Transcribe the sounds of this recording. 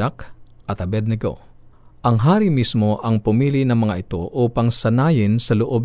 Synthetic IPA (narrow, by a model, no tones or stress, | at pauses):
ak | ʔɐt̪hɐbɛd̪̚nɛɡo̰ | ʔɐŋɦaːɾimismo̞ʔɐŋpʊmiːlɪnɐŋmɐŋaʔɪt̪o̞̰ʔuːpɐŋsɐnaːjɪnsɐloʔo̞b̚